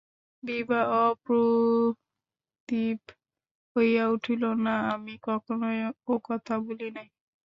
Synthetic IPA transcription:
bibaɔpɾo | t̪ip | hojauʈʰilonaamikɔkʰonookɔt̪ʰabolinaj

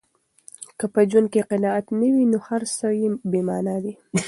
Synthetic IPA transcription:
kəpəd͡ʒwankeqɪnɑat̪nəwinohaɾsajebemɑnad̪i

